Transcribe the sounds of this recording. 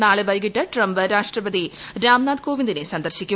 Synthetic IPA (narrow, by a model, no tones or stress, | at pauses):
naːɭeʋɐjɡiʈːɐʈrɐmbɨɾaːʂʈrɐbɐd̪iɾaːmnaːd̪̚koːʋind̪inesɐnd̪ɐrɕikʲːu